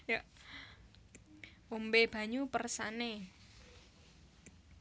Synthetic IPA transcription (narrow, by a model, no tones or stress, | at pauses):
ja | ombeb̥a̤ɲupərsane